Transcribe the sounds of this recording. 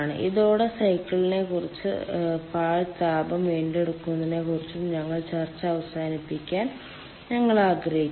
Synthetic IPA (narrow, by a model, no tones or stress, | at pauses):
ɳɨ̰ʔiðo̞ːɽe̞sɐjkːɐɭine̞kurit͡ɕːɨ̰paːɻt̪aːbɐmʋe̞ːnɖe̞ɽukːunːɐðine̞kurit͡ɕːumɲɐŋːɐɭt͡ɕɐrt͡ɕːɐɐʋɐsaːnipːikʲːaːn | ɲɐŋːɐɭaːɡrɐɦi